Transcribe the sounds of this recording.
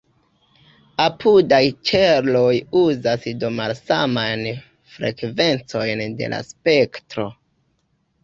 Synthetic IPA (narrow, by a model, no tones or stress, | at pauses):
apudajt͡ʃeɾlo̞juzasdomalsamajn | fɾe̞̰kve̞nt͡so̞jnde̞̰la̰spe̞ktɾo̞